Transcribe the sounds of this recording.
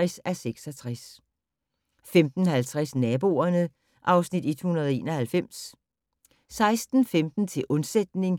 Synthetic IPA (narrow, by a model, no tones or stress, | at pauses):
ɛsæseɡ̥sɒt͡sʰʁas | femd̥n̩ɦælt͡sʰʁasnɛːb̥o̝̰ːɐnə | ʔɑ̈ʊsnid̥e̝d̥hunɐð̞ˠe̝̰ːnɒhælfem̰s | sɑ̈ɪsd̥n̩femd̥n̩t͡sʰe̝ʔɔ̽nsed̥̚ne̝ŋ